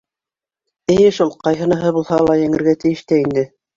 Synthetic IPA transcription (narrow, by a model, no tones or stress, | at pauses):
ɘ̆jɘʃulˠqɑjɦɤ̆nɑɦɤbulˠhɑlˠɑjɘ̆ŋɘ̆ɾɡæt̪ɘ̆jɘ̆ʃt̪æind̪ɘ